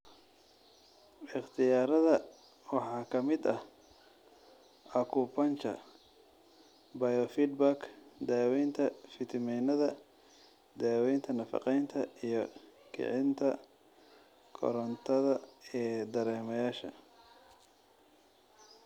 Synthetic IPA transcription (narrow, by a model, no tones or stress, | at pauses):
ɪχt̪ʰɪjaːɾɐðɐ | wɑħɑːkʰɐmɪd̪ɐh | ʔɐkʰuːpʰɐnt͡ʃʰɐ̰ | bɐjɔfid̪bakd̪aːwɛjnt̪ʰɐfɪt̪ʰɪmɛjnɐðɐ | d̪aːwɛjnt̪ʰɐnɐfɑ̰qɛjnt̪ʰɐijɞkʰɪ̰ʕɪnt̪ʰɐ | kʰɔ̰ɾɐnt̪ʰɐðɐɛːd̪ɐɾɛːmɐjaːʃɐ̰